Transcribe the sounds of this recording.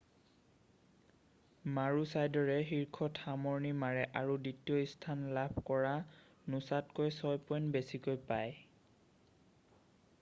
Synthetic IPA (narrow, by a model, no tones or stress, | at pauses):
maɹusajdɔɹɛɦiɹkʰɔtxamɔɹnimaɹɛʔaɹuditiɔistʰanlabʱkɔɹa | nʊsatkojsɔjpɔjnbesikojpaj